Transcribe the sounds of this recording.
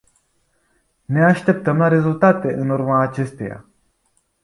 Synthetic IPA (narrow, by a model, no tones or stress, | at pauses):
ne̞aʃt̪e̞p̚t̪əmlaɾe̞zult̪at̪eʔɨnurmaːt͡ʃe̞st̪eja̰